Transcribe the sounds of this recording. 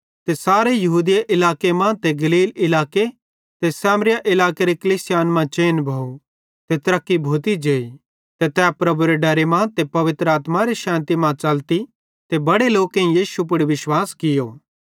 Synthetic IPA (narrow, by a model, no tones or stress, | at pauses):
t̪esaːɾejɐɦuːd̪ijaʔɪlaːkemãːt̪eɡɐliːlɪlaːke | t̪esɛːmɾɪjaʔɪlaːkeɾekɐliːsɪjaːnmãt͡ʃeːnbʱɐu | t̪et̪ɐɾɐkːibʱoːt̪̬id͡ʒeːi | t̪et̪ɛːpɾɐbuɾeɖɐɾemãːt̪epɐʋɪt̪ɾəaːt̪mãɾeʃãːnt̪imãt͡ʃɐlt̪i | t̪ebɐɽeloːkẽĩjiːʃup̬ʊɽiʋɪʃwaːskɪjoː